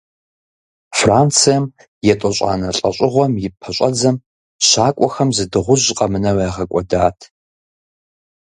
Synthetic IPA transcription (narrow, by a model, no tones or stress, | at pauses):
fraːnt͡sʰijɐm | jɛtʼɔɕʷʼa̰ːnɐɬʼɐ̰ɕʷʼɪʁʷɔmjɪpʰɐɕʷʼɐd͡zɐm | ɕaːkʷʼɔxɐmzɨdɨʁʷʊʑqʼɐmɨnɐwaːʁɐkʷʼɔdaːtʰ